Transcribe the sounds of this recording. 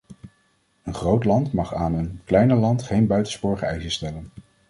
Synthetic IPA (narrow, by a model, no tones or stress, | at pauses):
ənχrowtlɑntmɑχaːnənklɛjnəlɑntχejnbœɥtənspʊːɹχəɛjzəstɛlən